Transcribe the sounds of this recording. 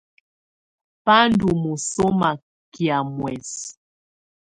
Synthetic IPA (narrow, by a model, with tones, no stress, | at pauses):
pa˦ndu˨mu˨so˦ma˨ | kja˨mwɛ˨s